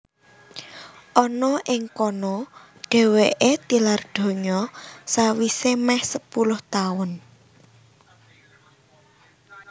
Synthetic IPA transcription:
ʔɔnɔʔɪŋkɔnɔ | ɖ̥ɛ̤weʔet̪ilard̪̥o̤ɲɔsawisemɛhsəpulʊht̪aʊn

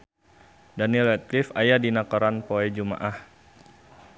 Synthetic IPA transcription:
danilɛt̪̚lifajadinakɔɾanpoɛd͡ʒuma̰ʔah

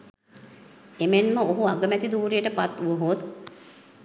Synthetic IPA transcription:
emenməoɦuaɡəmɛt̪id̪uːɾejəʈəpat̪uʋoɦot̪

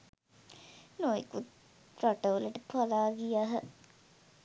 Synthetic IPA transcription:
noikut̪̚ | raʈəʋələʈəpʰalaːɡijaɦə

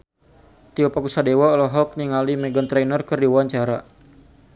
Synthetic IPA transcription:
t̪iɔpakusadewaɔlɔɦɔk̚niŋalimɛɡɔnt̪ɾɛjnərkɨrdiwaaɲt͡ʃaɾa

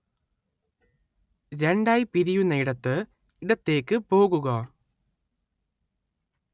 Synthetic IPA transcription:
ɾe̞ɳɖaːjpiɾijunːɐiɽɐt̪ːɨ | iɽɐt̪ːe̞ːkːɨpo̞ːɣuɣɐ

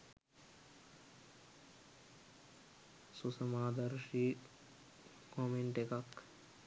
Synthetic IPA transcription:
susəmaːd̪əɾʃi | komeɳʈekak

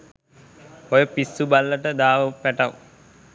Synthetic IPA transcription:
ojəpisːubalːəʈəd̪aːʋəpːæʈaw

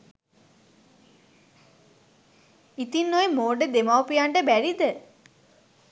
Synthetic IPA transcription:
it̪inːojemoːɖəd̪emawpijaɳɖəbæɾid̪ə

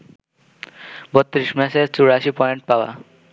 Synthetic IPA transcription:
bɔt̪ːɾiʃmɛseɾt͡ɕuɾaʃipɔjeɳʈ̚paoa̰

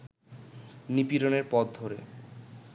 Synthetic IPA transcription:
nipiɾoneɾpɔd̪d̪ʱoɾḛ

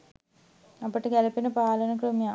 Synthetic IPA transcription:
ɐpːɐʈːɨɡelɐpinɐpaːlɐnɐkrɨmja

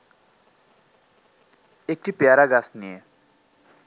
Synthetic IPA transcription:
ek̚ʈipjaɾaɡasnie

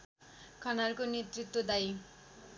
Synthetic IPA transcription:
kʰʌnalkonet̪rit̪wod̪aj

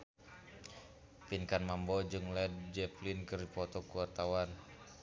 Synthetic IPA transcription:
pinkanmambɔd͡ʒɨŋlɛd̚d͡ʒɛplinkɨrdipɔt̪ɔkuwart̪awan

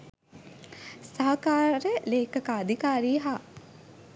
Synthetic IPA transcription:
saɦɐkaːɾəleːkəkaːd̪ʱikaːɾiːɦaː

